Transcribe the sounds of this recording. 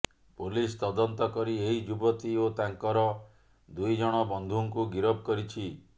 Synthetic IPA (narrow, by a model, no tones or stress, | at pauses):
polist̪ɔd̪ɔnt̪ɔkɔɾieɦid͡ʒubɔt̪iot̪aŋkɔɾɔ | d̪ujd͡ʒɔɽ̃ɔbɔnd̪ʱuŋkuɡiɾɔb̚kɔɾit͡ʃʰi